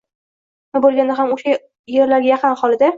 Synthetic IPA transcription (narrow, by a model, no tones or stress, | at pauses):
nɪbolˠɡʲand̪aɦamoʃa | je̞ɾlaɾɡʲajɑqʰɨnχɒlˠɪd̪a